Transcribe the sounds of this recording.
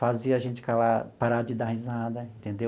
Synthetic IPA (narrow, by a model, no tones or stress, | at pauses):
faziɐaʒẽnt͡ʃɪ̥kalapaɾad͡ʒɪd̪ahizad̪ɐẽnt̪ẽnd̪e